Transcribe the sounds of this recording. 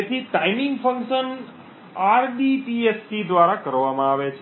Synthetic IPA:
et̪ʰiʈaimɪ̃ŋɡfəŋkʃən | aɾɖiʈiespid̪ʋaɾakəɾʋamãaʋet͡ʃʰ

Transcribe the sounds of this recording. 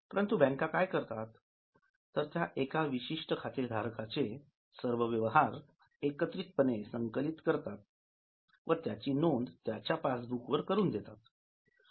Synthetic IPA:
pəɾənt̪ubɛ̃ŋkakajkəɾt̪at̪ː | əɾt̪jaʔekaʋiɕiʂʈəkʰat̪ed̪ʱaɾkat͡se | səɾʋəʋjəʋɦaɾ | ekət̪ɾit̪̚pənesəŋkəlit̪kəɾt̪at̪̚ | ʋəɾt̪jat͡ɕiːnond̪t̪jat͡ɕjapasbʱukʋəɾkəɾuːnd̪et̪at̪

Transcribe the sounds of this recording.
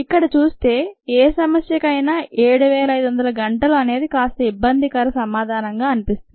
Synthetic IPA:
ikːɐɽɐt͡ʃuːst̪e̞ːeːsɐmɐsjɐkɐjnaːʔeːɽuʋeːlɐjd̪uʋɐnd̪ɐlɐɡɐɳʈɐluɐne̞ːd̪ikaːst̪ɐibːɐnd̪ʱikɐɾɐsɐmaːd̪ʱaːnɐŋɡaːɐnipist̪ui

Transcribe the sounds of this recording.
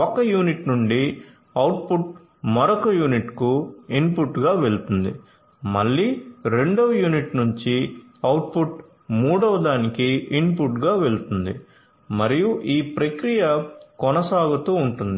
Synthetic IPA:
ɔkɐjuːniʈnuɳɖi | ɐwʈ̚puʈ̚ | mɐɾokɐjuːniʈkuinpuʈːɡaːʋe̞ɭt̪und̪ḭ | mɐɭːiːɾe̞ɳɖɐʋɐjuːniʈnuɲt͡ʃi | ɐwʈ̚puʈ | muːɽɐʋɐd̪aːnikiinp̬uʈɡaːʋe̞ɭt̪und̪ḭ | mɐɾijuʔiːpɾɐkɾijɐkɔnɐsaːɡut̪uːuɳʈund̪i

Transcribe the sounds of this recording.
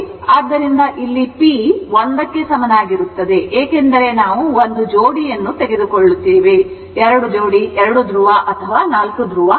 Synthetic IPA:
aːd̪ːɐɾind̪ɐʔilːipiʋond̪ɐkːe̞sɐmɐnaːɡiɾut̪ːɐd̪e̞ʔeːke̞nd̪ɐɾe̞naːʋuond̪ud͡ʒoːɽijɐnːut̪eɡe̞d̪ukoɭːut̪ːiːʋi | ɛɾɐɽud͡ʒoːɽiʔɛɾɐɽud̪ɾuʋaʔɐt̪ʰɐʋaːnaːlkud̪ɾuʋa

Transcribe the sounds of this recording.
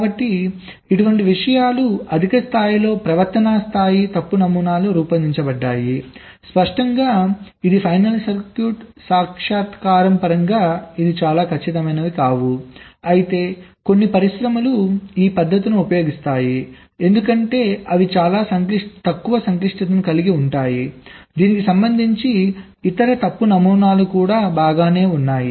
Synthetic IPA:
kabɐʈːi | iʈuʋɐɳʈiʋiʂɐjaːluɐd̪ʱikɐst̪ʰaːjilo̞ːpɾɐʋɐɾt̪ɐnaːst̪ʰaːjit̪ɐpːunɐmuːnaːluɾuːpɐniɲt͡ʃɐbɐɖːaːji | spɐʂʈɐŋɡaː | id̪ipʰɐjnɐlsɐɾkjuːʈsaːkʂaːt̪kaːɾɐmpɐɾɐŋɡaːid̪it͡ʃaːlaːkʰɐt͡ʃːit̪̬ɐmɐjnɐʋikaːʋuɐjit̪e̞ːko̞nːipɐɾiʃɾɐmɐluiːpɐd̪ʱːɐt̪̬inuupɐjo̞ːɡist̪aːji | e̞nd̪ukɐɳʈe̞ːɐʋit͡ʃaːlaːsɐŋkliʂʈt̪ɐkːuʋɐsɐŋkliʂʈɐt̪ɐnukɐliɡiuɳʈaːjid̪iːnikisɐmbɐnd̪ʱiɲt͡ʃi | it̪ɐɾɐt̪ɐpːunɐmuːnaːlukuːɽaːbaːɡaːne̞ːunːaːji

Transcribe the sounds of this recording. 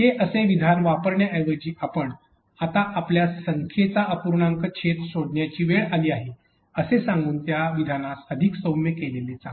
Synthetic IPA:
ɦeʔəseʋid̪ʱanʋapəɾɳjaʔɛʋəd͡ʑiːʔapəɳ | at̪aʔapljasəŋkʰjet͡saəpuɾɳaŋkəkɕʰet̪soɽʱɳjat͡ɕiːʋeɭaliːaɦe | əsesãŋɡuːnt̪jaʋid̪ʱanasəd̪ʱiksəwmekeleliːt͡sã

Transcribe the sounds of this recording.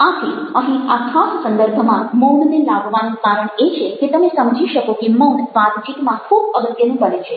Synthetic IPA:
at̪ʰiəɦĩakʰassə̃nd̪əɾbʱəmãmɔnnelabʋanũkaɾəɳet͡ʃʰeket̪əmesəmd͡ʒʱiʃəkokemonʋãd̪d͡ʒikmãkʰubəbəd̪jənũkəɾet͡ʃʰe

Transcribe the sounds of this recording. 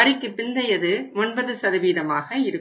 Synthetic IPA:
ɐɾɪkːɯpɪnd̪ɐjɐðɯmʊɳbɐðɯsɐɾɯʋiːðɐmaːɣɐɪɾɯ

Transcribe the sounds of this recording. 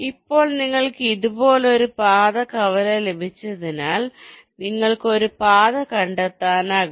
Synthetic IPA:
ipːo̞ːɭniŋːɐɭkɨiðubo̞ːleoɾupaːðɐkɐʋɐlelebʱit͡ɕːɐðinaːl | niŋːɐɭkɨo̞ɾupaːðɐkɐɳɖɐt̪ːaːnaːɣu

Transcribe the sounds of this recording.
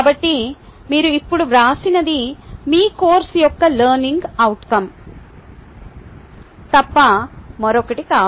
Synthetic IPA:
kaːbɐʈːi | miːɾuipːuɽuʋɾaːsinɐd̪imiːkoːɾsijɔkːɐlɐːɾniŋɡɐwʈkɐm | t̪ɐpːɐmɐɾɔkːɐʈikaː

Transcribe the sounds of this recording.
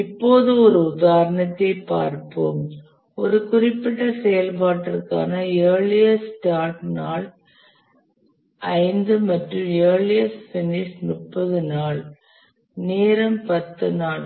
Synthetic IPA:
ɪpːoːðɯɔɾɯʊðaːɾɐɳɐt̪ːɐɪpːa̰ːɾpo̰ːm | ɔɾɯkʊrɪpːɪʈːɐsɛjɐlp̬aːʈːɐrkːa̰ːnɐeːɭɪjɐsʈaːʈnaːɭ | ɐɪnd̪ɯmɐʈrɯmeːɭɪjɐsfɪnɪʂnʊʈpːɐðɯnaːɭ | neːɾɐmpɐt̪ːɯnaːɭ

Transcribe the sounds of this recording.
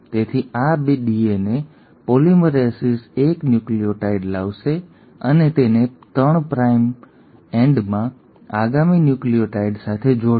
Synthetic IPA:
t̪et̪ʰiabeɗiene | poliməɾesiseknjuklioʈaiɖlaʋʃe | ənet̪enet̪əɳpɾaim | ẽɳɖmã | aɡaminjuklijoʈaiɖsat̪ʰed͡ʒo

